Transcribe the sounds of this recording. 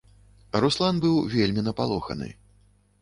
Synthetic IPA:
ɾuslˠanbɨwvʲelʲmʲinɐpalˠɔxɐ̰nɨ̰

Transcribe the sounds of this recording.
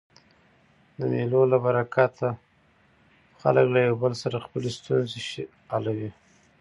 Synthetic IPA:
d̪əmelolabaɾakʰat̪ʰa | xa̰ləklajawbəlsaɾaxpəlest̪unzeʃ | alawi

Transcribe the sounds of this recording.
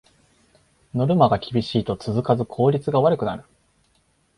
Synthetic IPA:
no̞ɾɯ̟maɡakʲibʲiɕiːt̪o̞t͡sɨzɨkazɨkʰo̞ːɾʲit͡sɨɡaβaɾɯ̟kɯ̟naɾɯ̟̥

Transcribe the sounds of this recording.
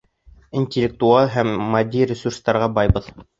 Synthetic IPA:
inʲtʲɪlʲːɪk̚t̪uɑlˠɦæmːɐd̪ʲːiɾʲɪsurst̪ɑɾʁɑbɑjbɤð

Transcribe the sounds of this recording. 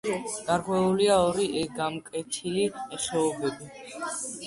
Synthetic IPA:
ɡ̥aɾkʼwɛuliaɔɾiʔɛɡamkʼɛt̪ʰiliɛχɛɔbɛbi

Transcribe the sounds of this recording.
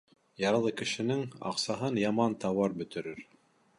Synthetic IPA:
jɑɾlˠɤkɘ̆ʃɘ̆nɘŋɑ̰qsɑɦɤnjɑmɑnt̪ɑwɑɾbɵ̆t̪ɘ̆ɾɘɾ

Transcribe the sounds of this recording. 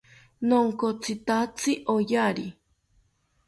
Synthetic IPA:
noŋkot͡sʰɨt̪at͡sʰɨʔojaɾi

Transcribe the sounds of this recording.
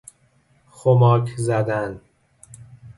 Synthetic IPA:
xomɒːkʰzæd̪æn

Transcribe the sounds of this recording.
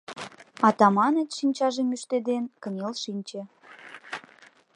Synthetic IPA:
ɑt̪ɑmɑnet̪ʃinʲt͡ɕɑʒemyʃt̪ed̪enkə̆nʲelʃinʲt͡ɕĕ

